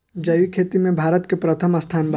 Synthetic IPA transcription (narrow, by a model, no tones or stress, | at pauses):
d͡ʒɐjikʰeːt̪imẽbʱaːɾət̪kepɾət̪ʰəmɐst̪ʰaːnbʱ